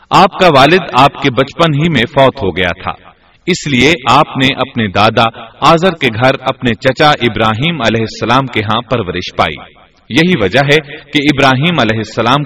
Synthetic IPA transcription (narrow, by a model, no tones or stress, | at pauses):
aːp̚kaʋaːlɪd̪aːpkebɐt͡ʃpənɦimẽfɔːt̪ɦoɡɐja̰t̪ʰa̰ː | ɪslieʔaːpneʔɐpned̪aːd̪aaːzəɾkeɡʱɐɾɐpnet͡ʃɐt͡ʃaʔɪbɾaːɦiːmɐlɛːɦɪsːɐlaːmkeɦãpɐɾʋəɾɪʃpa̰ːḭː | jɐɦiʋɐd͡ʒəɦɛkeɪbɾaːɦiːmɐlɛːɦɪsːɐlaːm